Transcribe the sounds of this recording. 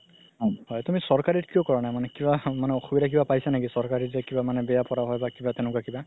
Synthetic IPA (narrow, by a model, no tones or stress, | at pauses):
ɦɔhɔjtumisɔɹkaɹitkijɔkɔɹanamanɛkibamanɛɔxubidak̬ibapajsanakisɔɹkaɹizɛkibamanɛbɛjapɔɹaɦɔjbakibatɛñʊkwakiba